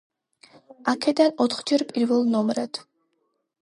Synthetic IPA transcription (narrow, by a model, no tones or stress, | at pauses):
akʰɛd̪anɔt̪χd͡ʒɛɾpʼiɾvɛlˠnɔmɾɛd̪̥